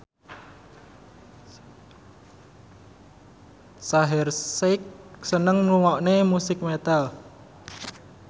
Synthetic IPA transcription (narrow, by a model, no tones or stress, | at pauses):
saɦɛrsek̚sənəŋnuŋɔʔnemusɪk̚met̪al